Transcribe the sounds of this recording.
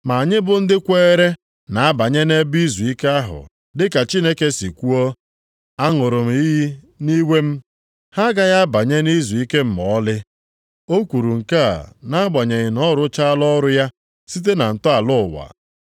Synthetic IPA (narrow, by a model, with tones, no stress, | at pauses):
ma˨a˨ɲɪ˦bʊ˦n̩˦dɪ˦kʷeː˦ɾe˦ | na˨a˦ba˨ɲe˦ne˦bi˦zu˨i˦ke˦a˦ɦʊ̰˨ | dɪ˦ka˨t͡ʃi˦ne˦ke˦si˨kʷu˦ɔ˦ | a˦ŋʊ˨ɾʊ˨m̩˦i˦ | ni˦we˦m̩˦ | ha˦ɡa˦ja˦ba˨ɲe˦ni˦zu˨i˦ke˦m̩˨mɔ˨˦lɪ˦ | o˦kʷu˨ɾu˨ŋ̩˨ka̰˦˨na˦ɡ͡ba˨ɲe˨ɣɪ˨nɔ˦ɾʊ˦t͡ʃa˦lɔ˦ɾʊ˦ja˦ | si˦t̬e˦na˨n̩˨tʊ˦a˨lʊ˦˨wa̰˨